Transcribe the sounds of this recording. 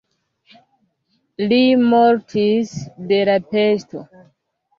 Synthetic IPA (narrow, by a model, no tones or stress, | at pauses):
limoɾtʰisde̞lapesto̞